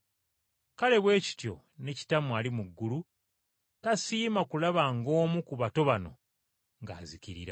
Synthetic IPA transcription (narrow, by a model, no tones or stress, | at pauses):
kale̞βwe̞ːci̥tjo̞̰ | ne̞ci̥tamwaːlimuɡːulu | tasiːmakulaβaŋɡo̞ːmukuβato̞βano̞̰ | ŋɡa̰ːziciɾḭɾa